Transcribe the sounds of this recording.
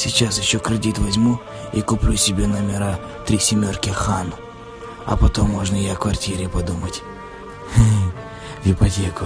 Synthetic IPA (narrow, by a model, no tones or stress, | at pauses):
sʲɪt͡ɕasjɪɕːo̞kɾʲɪdʲit̪vɐzʲmu | ikʊplʲusʲɪbʲenɐmʲɪɾa | t̪ɾʲisʲɪmʲo̞rkʲɪxanʊ | ɐ̰pɐt̪o̞mːoʐnəjakvɐrtʲiɾʲɪpɐd̪umətʲ | vʲɪpɐtʲekʊ